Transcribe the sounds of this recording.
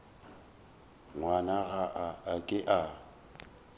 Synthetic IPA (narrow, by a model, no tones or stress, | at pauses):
ŋwanaɣaʔaːkʼɪʔa